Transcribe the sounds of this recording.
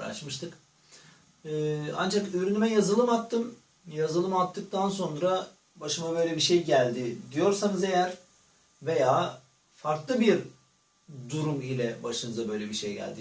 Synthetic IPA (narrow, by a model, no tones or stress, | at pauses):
ɾa̰t͡ʃmɯʃt̪ʰɯk | a̰nd͡ʒakyɾynymɛjazɯlˠɯmat̪ːɯm | jazɯlˠɯmat̪ʰːɯk̚t̪ʰanso̞nɾa | baʃɯmabø̞jlʲebiʃejɟælʲd̪ɪd̪ijo̞ɾsanɯze̞jæɾ | ve̞jaː | faɾklˠɯbiɾ | d̪uɾumilʲɛbaʃɯnɯzabø̞jlʲebiʃejɟæ̰lʲd̪i